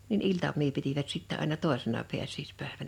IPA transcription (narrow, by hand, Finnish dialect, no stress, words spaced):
nin iltɑmˑiː pitiʋæt sitːɛ ɑˑinɑ toˑesenɑ piæsˑiːspæˑeʋæn